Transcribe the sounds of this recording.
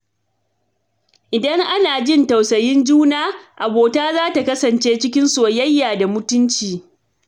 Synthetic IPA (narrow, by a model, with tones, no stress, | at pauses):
ʔɪ˨dɐ˦ŋʔa˦naː˨d͡ʒɪ˦nta˨wsɐ˨jɪ˦nd͡ʒuː˦naː˦ʔa˨boː˨taː˦zaː˦ta˨kɐ˦sɐ˨nt͡ʃeː˦t͡ʃɪ˦kʲɪ˦nsoː˨jɐ˦jːaː˨da˨mʊ˦tʊ˦nt͡ʃiː˨